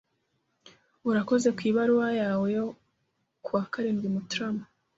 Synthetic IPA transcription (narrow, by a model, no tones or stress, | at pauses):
uɾako̞ze̞kwiːβaɾuwajaːwejo̞ | kuwaːkaɾiːnɡimutɾamp